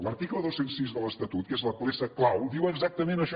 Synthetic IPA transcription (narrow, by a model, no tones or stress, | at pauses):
ləɾt̪iklˠəðosensizðələst̪ət̪ut̪̚kezləpulesəklawd̪iwəɡzak̚t̪əmẽnəʃ